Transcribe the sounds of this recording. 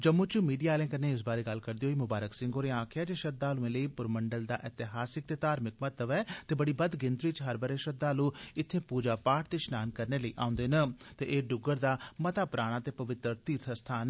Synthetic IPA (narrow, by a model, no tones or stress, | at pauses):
d͡ʒəmːʊ̃ːt͡ʃəmiːɖijaːlẽːkənːeːɪs̬baːɾeːɡəlkəɾd̪iːɦoːiːmʊbaːɾəksɪ̃ŋɡoːɾẽãːkʰɪjaːd͡ʒeːʃət̪̚d̪aːlũẽːləiːpʊɾməɳɖəld̪a̰ːʔɪt̪ɪɦaːsɪk̚t̪eːt̪aːɾmɪk̚mət̪əʋɛːt̪eːbəɽiːbəd̪ɡɪnt̪ɾiːt͡ʃɦəɾbəɾeːʃət̪̚d̪aːlũːɪt̪ʰːẽːpuːd͡ʒaːpaːʈʰt̪eːʃnaːnkəɾneːləḭːʔã̰ːʊ̃nd̪eːnət̪eːʔeːɖʊɡəɾd̪aːmət̪aːpɾaːɽ̃aːt̪eːpəʋɪt̪ɾəɾt̪iːɾt̪ʰəst̪ʰaːn